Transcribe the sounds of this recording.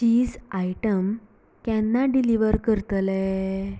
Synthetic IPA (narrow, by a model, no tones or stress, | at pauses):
t͡ɕiːd͡zajʈəm | kɛ̃nːaɖiliʋəɾkəɾt̪lɛ